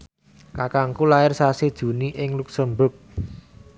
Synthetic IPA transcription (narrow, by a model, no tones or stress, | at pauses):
kakaŋkulaɪrsased̥ʒ̥ṳniʔɪŋluksəmbʊk̚